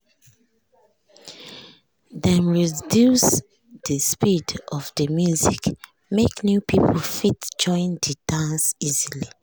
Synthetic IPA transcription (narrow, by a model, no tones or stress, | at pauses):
dɛ̃nɹidjus | dəspidɔvdəmjuzik | meknjupʰipʰolfitd͡ʒɔ̃ɪ̃ndədãnsizili